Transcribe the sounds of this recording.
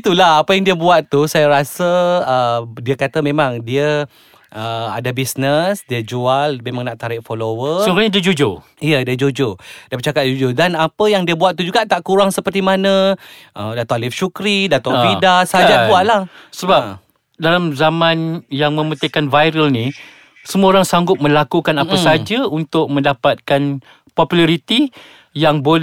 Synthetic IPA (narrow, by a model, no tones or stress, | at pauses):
it̪ulahapəjaŋdiəbuat̪̚t̪usajaɾasəədiəkat̪amẽmãŋdiə | ʔəa̰dabisnəsdiəd͡ʒualmemaŋnaʔt̪aɾɪʔ̚folowəsuɾaɲadiəd͡ʒud͡ʒo | ijədiəd͡ʒod͡ʒodiəbət͡ʃakat̪̚d͡ʒud͡ʒodanapəjaŋdiəbuat̪̚t̪ud͡ʒuɡaʔt̪aʔkuɾaŋsəpərt̪imanə̃ | ʔəmdat̪ɔŋalɪfʃukɾidat̪ɔŋidasad͡ʒabuaʔlahsəba | dalamzamãnjaŋmə̃mət̪əkanvajɾəlni | səmuaoɾaŋsaŋɡʊp̪̚mə̃lakukanapəsad͡ʒaunt̪ʊk̚mə̃ndapat̪̚kan | pɔpulaɾit̪i | jaŋbol